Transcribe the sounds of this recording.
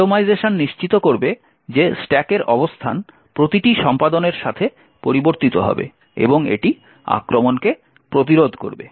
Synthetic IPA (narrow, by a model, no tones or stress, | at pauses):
omajzeʃonːiʃt͡ɕit̪okoɾbe | d͡ʑesʈɛkeɾʔɔbost̪ʰa̰n | pɾot̪iʈiʃɔmpad̪oneɾʃat̪ʰe | poɾiboɾt̪it̪oɦɔ̰bḛ | ḛboŋḛʈi | a̰kɾomonke | pɾot̪̬iɾod̪ʱko̰ɾbḛ